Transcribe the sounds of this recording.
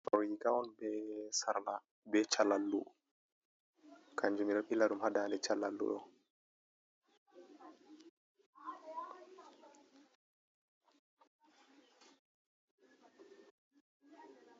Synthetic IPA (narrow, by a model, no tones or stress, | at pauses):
ɔɾjikawɔnbɛsaɾla | bɛt͡ʃalalːu | kaɲd͡ʒumiɗɔilːaɗumhadandɛt͡ʃalalːṵɗɔ̰